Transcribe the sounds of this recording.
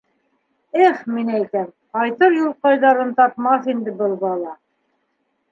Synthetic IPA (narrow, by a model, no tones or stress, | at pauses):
æχminæjt̪æmqɑjt̪ɤɾjulˠqɑjðɑɾɤnt̪ɑpmɑθind̪ɘbɤlˠbɑlˠɑ